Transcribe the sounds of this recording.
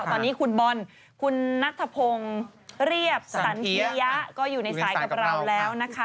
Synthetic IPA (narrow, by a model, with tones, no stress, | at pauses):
t̪ɔː˧nːiː˦˥kʰu˧nbɔ˧n | kʰu˧nːa˦˥k̚t̪ʰa˧pʰo˧ŋ | ɾi˥˩əp̚sa˩˦ntʰi˦˧ja˦˥ʔkɔː˥˩juː˨˩na˧saː˩˦jka˨˩ɾa˧˩˧wlɛː˦˥wna˦˥kʰa˦˥